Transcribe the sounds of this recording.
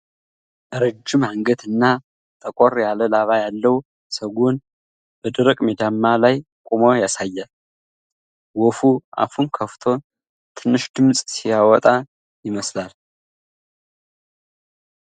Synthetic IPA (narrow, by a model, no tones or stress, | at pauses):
ʔɨɾɨd͡ʒːɨmaŋɡət̪ɨnːa | t̪ʼəkʼoɾjaləlaβajalːəw | səɡun | b̥əd̪ɨɾəkʼmed̪amːalaj | kʼomojasajːal | wɔfuʔa̰fumkʰəft̪ʰo̞ | t̪ʰɨnːɨʃd̪ɨmsʼsijawɔt̪ʼa | jɪməslal